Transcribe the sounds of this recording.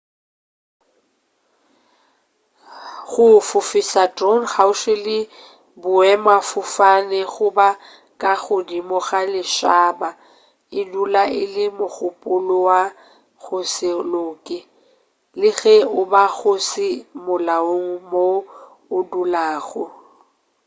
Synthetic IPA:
ɣʊfʊfɪsatronχaʊʃɪlɪ | bʊɛmafʊfanɛɣʊba | kʼaɣʊdimɔɣalɪʃaːba | ɪdulaɪlɪmʊɣʊpʼʊlʊwa | ɣʰʊsɪloːkʼɪ | lɪɣɛʊbaɣʊsɪmʊlaoŋ̩mo | ʊdulaːɣʊ

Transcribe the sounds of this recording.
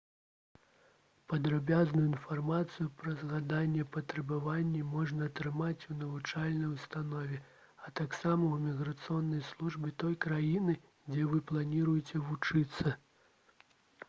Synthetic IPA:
pɐd̪ɾabʲaznujuinfarmat̪sɨjupɾɐzɣad̪anʲːɛpɐt̪ɾɛbavanʲːɛmɔʐnɐːt̪ɾɨmat͡sʲunɐvut͡ʂalʲnɐjust̪anɔvʲɛ | ɐt̪aksamɐwmʲiɣɾɐt̪sɨɔnːɐjslˠuʐbʲɛt̪ɔjkɾajinɨ | d͡zʲɛvɨplˠanʲiɾujɛt͡sʲɛvut͡ʂɨt̪sːɐ

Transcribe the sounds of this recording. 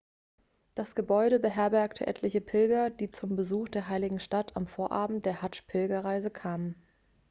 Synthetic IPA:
d̥asɡ̥əbɔʏɾəbəɦɛɐbɛɐktʰə̰ʔɛ̰tʰlɪçəpʰɪlɡɐd̥iːt͡sʊmbəzuːxd̥eːɐɦaɪlɪɡŋ̩ʃtatʰamfoːɐʔaːbm̩t̚d̥eːɐhat͡ʃpʰɪlɡɐʁaɪzəkʰaːmən

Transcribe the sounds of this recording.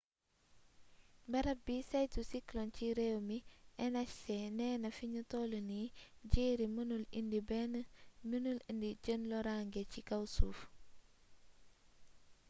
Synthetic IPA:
mbɐɾɐbisajtusiklɔnciɾɛwmiʔɛnat͡ʃsɛnɛːnɐfiɲutɔləniɟeːɾimənulindibɛnminulindiɟənlɔɾaŋɡecikawsuːf

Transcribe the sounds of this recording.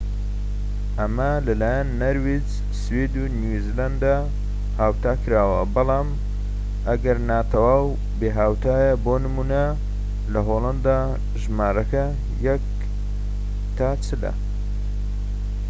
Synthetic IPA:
ʔɐmɐ | lɐlaːjɐnːɐɾwid͡ʒ | swed̪unuziland̪a | haːwt̪aːkɨɾaːwɐ̰bɑlˠɑːm | ʔɐɡɐɾnaːt̪ʰɐwaːw | beːɦaːwt̪ʰaːjɐboːnɨmuːnɐ | lɐɦoːlˠɐnd̪a | ʒmaːɾɐkɐ | jɛk̚ | t̪ʰaːt͡ʃɨlɐ̰

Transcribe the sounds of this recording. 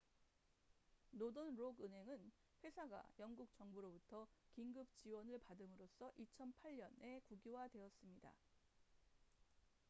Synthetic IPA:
nodonɾoɡɯnɦe̞ŋɯn | ɸwe̞sʰaɡa̰jʌnɡuk̚t͡ɕʌŋbuɾobutʰʌkiŋɡɯp̚t͡ɕiwʌnɯɭpadɯmɯɾos͈ʰʌʔit͡ɕʰʌnpʰaʎːʌne̞kuɡiwadwe̞ʌs͈ɯmɲida̰

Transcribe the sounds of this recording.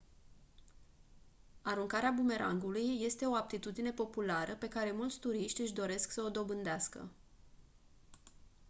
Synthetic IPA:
aɾuŋkaɾeabume̞ɾʔa̰ŋɡulujːe̞st̪e̞o̞ap̚t̪it̪ud̪ine̞po̞pulaɾəpe̞kaɾe̞mult̪sʲt̪uɾiʃt̪ʲɨʃd̪o̞ɾe̞sksəo̞d̪o̞bɨnd̪easkə̰

